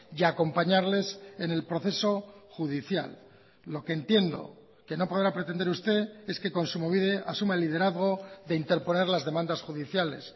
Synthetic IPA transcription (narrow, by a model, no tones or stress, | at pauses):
ako̞mpaɲaɾle̞sene̞lpɾo̞θe̞so̞xuð̞iθja̰lː | o̞kent̪je̞nd̪o̞̰ | ke̞no̞po̞ðɾapɾet̪e̞nd̪e̞ɾust̪e̞e̞ske̞kõ̞nsumoβiðeasumaelːið̞e̞ɾaðɣ̞o̞ðe̞int̪e̞ɾpo̞ne̞ɾlazðe̞mãnd̪asxuðiθjale̞̰s